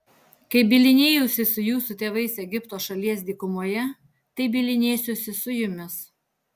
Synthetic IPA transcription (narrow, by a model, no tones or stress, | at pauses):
kɐɪbʲɪlʲɪnʲeːjʊsʲɪsʊjuːsʊt̪ʲeːʋɐɪsɛɡʲɪpt̪oːʃɐlʲiɛs̬d̪ʲiːkʊmuɔjɛ | t̪ɐɪbʲɪlʲɪnʲeːsʲʊsʲɪsʊjʊmʲɪs